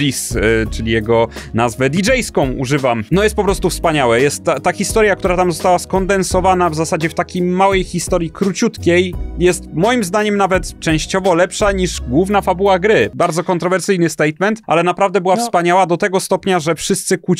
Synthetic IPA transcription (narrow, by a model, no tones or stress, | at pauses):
ist͡ʂɘlʲijɛɡɔnazvɛd̪ʲid͡ʐɛjskɔ̃w̃ṵʐɘvamnɔjɛst̪pɔpɾɔst̪ufspaɲawɛjɛst̪ːaːaxʲist̪ɔɾjak̚t̪uɾat̪amzɔst̪awaskɔnd̪ɛnsɔvanavzasad͡ʑɛft̪akʲejmawɛjxʲist̪ɔɾjikɾut͡ɕut̪kʲejjɛst̪mɔjimzd̪aɲɛmnavɛt̪t͡ʂɛ̃w̃ɕt͡ɕɔvɔlɛpʂaɲiʐɡwuvnafabuwaɡɾɘbaɾd̪zɔkɔnt̪ɾɔvɛɾsɘjnɘst̪ɛjt̪mɛnt̪ʔa̰lɛnapɾavd̪ɛbɘwafspaɲawad̪ɔt̪ɛɡɔst̪ɔpɲaʐɛfʂɘst̪sɘkut͡ɕ